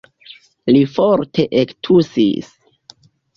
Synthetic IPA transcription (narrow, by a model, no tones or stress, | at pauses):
lifoɾtʰe̞ʔektʰusḭs